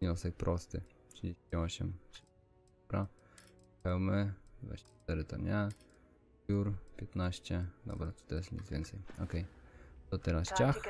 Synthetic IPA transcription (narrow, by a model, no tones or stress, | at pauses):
ɲɔsɛk̚pɾʔɔst̪ɘ | tʂɨd͡ʑeiɔɕɛmɕ | ɔbɾa | ɛwmɛvwa̰ɕɛt̪ɛɾɪt̪ɔ̰mʲɲʲja | juɾpʲjɛt̪naɕt͡ɕɛd̪ɔ̰bɾat̪u̥t̪ɛɾasɲʲḭzvʲɛ̰nt̪sɛjɔ̰kɛjt̪ɔt̪ɛɾast͡ɕax